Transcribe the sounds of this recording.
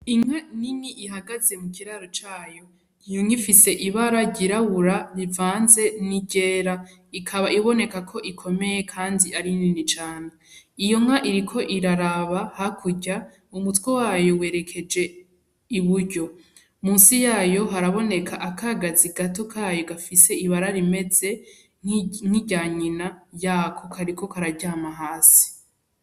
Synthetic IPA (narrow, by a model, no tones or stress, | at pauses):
iŋ̥aniniʔiɦaɡaze̞mukiɾaɾot͡ʃaːjo̞ | ijoŋifise̞ʔiβaɾaɟiɾaβuɾaβivaːnze̞niɟe̞ːɾa | ikʰaβaiβo̞ne̞kakʰo̞ʔikʰo̞me̞je̞kʰaːndiaɾininit͡ʃaːneijo̞ŋ̥aʔiɾikʰo̞ʔiɾaɾaβahakʰuɟa | umutwewaːjo̞we̞ːɾe̞kʰe̞d͡ʒe̞ | iβuɾɟo̞ | muːnsijaːjo̞ɦaɾaβo̞ne̞kʰaʔakʰaːɡaziɡato̞kʰaːjoɡafise̞iβaɾaɾime̞ze̞ | ŋ̥iɟaːɲinajaːkʰo̞kʰaɾiko̞kaɾaɟaːmaɦaːsi̥